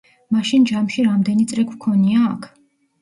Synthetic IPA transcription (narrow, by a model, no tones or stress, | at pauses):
maʃind͡ʒamʃiɾamd̪ɛnit̪sʼɾɛkʰwkʰɔniaːkʰ